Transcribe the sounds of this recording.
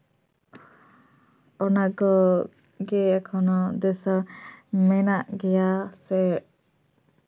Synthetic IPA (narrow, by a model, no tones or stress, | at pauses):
ɔnaɡɔ | ɡɛakʰɔnɔd̪ɛsamɛnaʔɡɛjasɛ